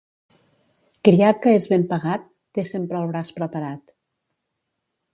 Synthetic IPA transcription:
kɾiat̪̚kəezβempaɣat̪ːesempɾəːlˠβɾaspɾəpaɾat̪

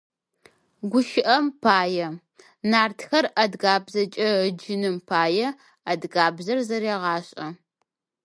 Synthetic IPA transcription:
ɡʷʊʃɪʔɐmpʰaːjɐ | naːrtʰxɐrɐdɡaːbzɐt͡ʃʼɐəd͡ʒɪnɨmpʰaːjɛ | ɐdɣaːbzɐrzɐɾeːʁɑːɕʼɐ

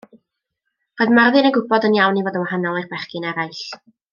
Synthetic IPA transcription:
roðmarðɨnəɡʊbɔdənjawnivoːdənwahanɔlˠɨrbɛχkɨnɛɾaɨɬ

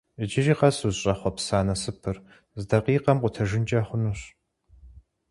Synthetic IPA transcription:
d͡ʒɪʒiːqɐsuzɕʼɐχʷɔpsaːnɐsɨpʰɨr | zdɐqiːqɐmqʷʼʊtʰɐʒɪnd͡ʒʼaːχʷʊnuɕ

